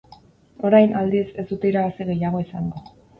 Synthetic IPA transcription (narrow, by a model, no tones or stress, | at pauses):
o̞ɾajnald̪iese̞zd̪ut̪e̞iɾaɣasiɣe̞jaɣ̞o̞isaŋɡo